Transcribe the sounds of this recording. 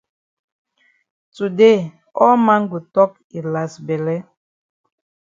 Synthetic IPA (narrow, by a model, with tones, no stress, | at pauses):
tu˨de˦˨ | ɔ˦ma˦ŋ˦ɡu˨tɔ˦k̚ | i˨la˨sbɛ˨lɛ˦